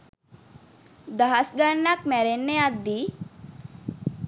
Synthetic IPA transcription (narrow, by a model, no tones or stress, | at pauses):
d̪aɦasɡanakmɛɾenːead̪i